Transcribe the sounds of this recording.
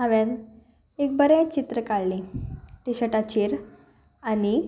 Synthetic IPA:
aʋjãn | ek̚bəɾet͡ɕit̪ɾəkaɭlĩʈiɕəʈat͡ɕiːɾ | ani

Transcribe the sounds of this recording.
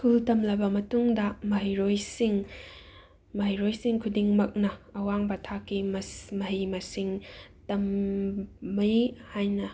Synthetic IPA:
skultɐmlɐbɐmɐtuŋdɐmɐɦijɾojsiŋ | mɐɦijɾojsiŋkʰudiŋmɐk̚nɐɐwaŋbɐtʰakːimsmɐɦimɐsiŋtɐmː | ɐjhajnɐ

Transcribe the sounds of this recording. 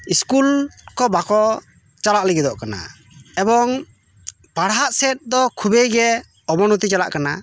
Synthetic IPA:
iskulkɔbakɔ | t͡ʃalaʔliɡid̪ɔʔkana̰ | ɛbɔŋ | paɽɦaʔsɛt̪̚ˀd̪ɔkʰubɛɡɛ | ɔbɔnut̪it͡ʃala̰ʔkana

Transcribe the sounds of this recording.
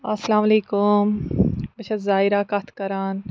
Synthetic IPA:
ɐsɐlaːmɐleːkʊmbɐʃɐzaːiɾaːkɐt̪ʰkɐɾaːn

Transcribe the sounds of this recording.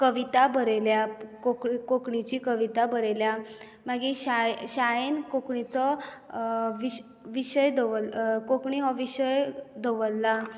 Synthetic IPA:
kəʋit̪abəɾeljakokikokɳit͡ɕiːkəʋit̪abəɾelja | maɡiɕajɕajenkokɳit͡sɔ | ʋi | ʋiɕəjd̪əʋəlkokɳiɦɔʋiɕəjd̪əʋəlːa

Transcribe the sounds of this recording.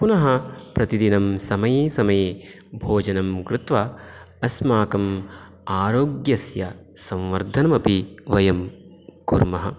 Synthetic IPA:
punɐɦɐpɾɐt̪id̪inɐmsɐmɐjeːsɐmɐjeː | bʱoːd͡ʒɐnɐmkɾɪt̪ʋɐ | ɐsmaːkɐm | aːɾoːɡjɐsjɐsɐ̃ʋʋɐɾd̪ʱɐnɐmɐpiʋɐjɐm | kṵɾmɐɦɐ̰

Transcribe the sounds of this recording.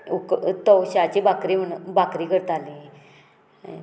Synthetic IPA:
ukt̪ɔwɕat͡ɕibakɾiməɳbakɾiːkəɾt̪ali

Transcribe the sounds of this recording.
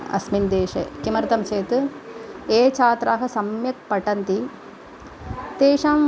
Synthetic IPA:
ɐ̰smind̪eːʃɐ̰kimɐɾt̪ɐmt͡ʃeːt̪ | eːt͡ʃaːt̪ɾaːɦɐsɐmjɐk̚pɐʈɐnt̪i | t̪eːʂaːm

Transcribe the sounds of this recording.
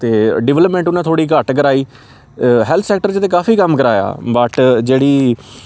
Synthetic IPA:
t̪eːɖɪʋɛləpmɛ̃ːɳʈʊnãːt̪ʰoːɽiːkəʈk̬əɾaːiː | ɦɛːlt̪ʰsɛːk̚ʈəɾt͡ʃt̪eːkaːfʰiːkəmkəɾaːja̰ːbəʈd͡ʒeːɽiː

